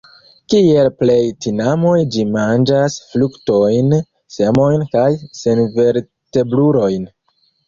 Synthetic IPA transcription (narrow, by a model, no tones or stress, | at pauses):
kielple̞jtinamo̞jd͡ʒimand͡ʒasflukto̞jn | se̞mo̞jnkajsenve̞ɾ | te̞bluɾo̞jn